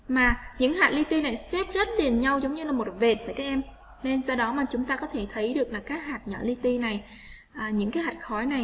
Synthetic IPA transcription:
maː˨˩ɲɨ̰˧˥ŋhaː˨˩t̚li˧t̪i˧na˨˩jsɛ˦˥p̚zə˦˥t̚ɗi˨˩ənɲa˧wzə˨˦wŋ͡mɲɨ˧laː˨˩mo˨˩t̚ve˨˩t̚vaː˧˩kaː˨˦˥kʔɛ˧m | ne˧nsɔ˧wɗɔ˨˦maː˨˩t͡ɕʊ˨˦ŋ͡mt̪aː˧kɔ˨˦t̪ʰe˧˩t̪ʰə˨˦jɗɨ˨˩ək̚laː˨˩kaː˦˥k̚haː˨˩t̚ɲɔ̰˧˩li˧t̪i˧na˨˩j | ʔaː˨˩ɲɨ̰˧˥ŋkaː˨˦jha˨˩jk̚xɔ˨˦jna˨˩j

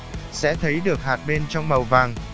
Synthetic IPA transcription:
sɛ̰˧˥t̪ʰə˨˦jɗɨ˨˩ək̚haː˨˩t̚ɓe˧nt͡ɕɔ˧wŋ͡mmə˨˩wvaː˨˩ŋ

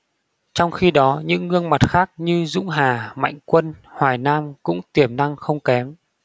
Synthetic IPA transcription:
t͡ɕɔ˧wŋ͡mxi˧ɗɔ˨˦ɲɨ̰˧˥ŋːɨ˧əŋma˨˩t̚xaː˦˥k̚ɲɨ˧zʊ̰˧˥ŋ͡mɦaː˨˩ma̰˧˨jŋ̟kwə˧nhwaː˨˩jnaː˧mkʊ̰˧˥ŋ͡mt̪i˨˩əmna˧ŋxə˧wŋ͡mkɛ˨˦m

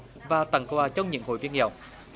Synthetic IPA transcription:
vaː˨˩t̪a˨˩ŋkwaː˨˩t͡ɕɔ˧wŋ͡mɲɨ̰˧˥ŋho̰˨˩jvi˧ənɛ̰˨˩wŋ͡m

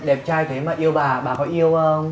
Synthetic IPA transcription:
ɗe˨˩p̚t͡ɕaː˧jt̪ʰe˨˦maː˨˩ʔi˧əwɓaː˨˩ɓaː˨˩kɔ˨˧˦ʔi˧əwʔəː˧

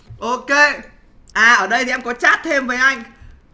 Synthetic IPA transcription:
ʔo˧ke˧ | ʔaː˨˩ʔəː˧˩ɗə˧jt̪ʰi˨˩ʔɛ˧mŋkɔ˨˦t͡ɕaː˦˥t̚t̪ʰe˧mvəː˨˦jʔa˧jŋ̟

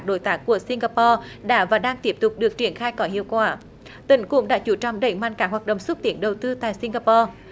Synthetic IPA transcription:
ɗo˧˦jt̪aː˦˥kːu˧˩əsi˧ŋɣaː˧pɔ˧ɗa̰ː˧˥vaː˨˩ɗaː˧ŋt̪i˦˥p̚t̪ʊ˨˩k͡p̚ɗɨ˨˩ək̚t͡ɕi˧˩ənxaː˧jkɔ˨˦ɦḭ˧˨əwkwaː˧˩ | t̪ï˧˨˦ŋ̟kʊ̰˧˥ŋ͡mɗa̰ː˧˥t͡ɕu˧˦t͡ɕɔ˧˩wŋ͡mɗə̰˧˩jŋmaː˧˨nkaː˦˥khwaː˨˩t̚ɗə̰˧˨wŋ͡mswə˦˥t̚t̪i˧˩ənɗə˨˩wt̪ɨ˧t̪a̰ː˧˨jsi˧ŋɣaː˧pɔ˧

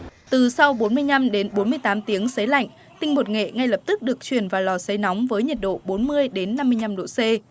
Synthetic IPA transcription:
t̪ɨ˨˩sa˧wɓo˨˦nmɨ˧əjɲa˧mɗe˨˦nɓo˨˦nmɨ˧əjt̪aː˨˦mt̪i˨˦əŋsə˨˦jla̰˧˨jŋ | t̪ï˧ŋmo˨˩t̚ŋḛ˧˨ŋa˧jlə˨˩p̚t̪ɨ˦˥k̚ɗɨ˨˩ək̚t͡ɕwi˨˩ənvaː˨˩wlɔ˨˩sə˨˦jnɔ˨˦wŋ͡mvəː˨˦jɲə˨˩t̚ɗo̰˧˨ɓo˨˦nmɨ˧əjɗe˨˦nːa˧mːɨ˧əjɲa˧mɗo̰˧˨se˧

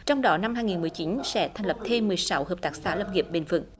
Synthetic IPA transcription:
t͡ɕɔ˧wŋ͡mɗɔ˨˦na˧mɦaː˧jŋi˨˩nmɨ˨˩əjt͡ɕi˨˦nsɛ̰˧˥t̪ʰa˨˩ŋ̟lə˨˩p̚t̪ʰe˧mːɨ˨əjsa˨˦whəː˨˩p̚t̪aː˨˩k̚saː˧˦ləː˧ŋi˨˩əp̚ɓe˨˩nvɨ̰˧˩ŋ

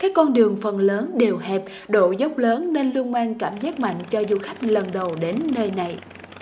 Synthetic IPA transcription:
kaː˦˥kːɔ˧nɗɨ˨˩əŋfə˨˩nləː˨˦nɗe˨˩wɦɛ˨˩p̚ | ɗo̰˧˨zə˦˥wk͡p̚ləː˨˦nːe˧nlu˧ənmaː˧nkaː˧˩mzaː˦˥t̚ma̰˧˨jŋ̟t͡ɕɔ˧zu˧xa˦˥jk̟̚lə˨˩nɗə˨˩wɗe˨˦nːəː˧jna˨˩j

